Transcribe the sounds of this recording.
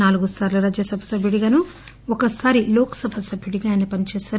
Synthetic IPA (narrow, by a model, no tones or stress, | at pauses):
naːluɡusaːɾluɾaːd͡ʒjɐsɐbʱɐsɐbʱjuɽiɡaːnu | ɔkɐsaːɾilɔːkɐ̥sɐbʱɐsɐbʱjuɽiɡaːjnɐpɐnit͡ʃɛːsaːɾ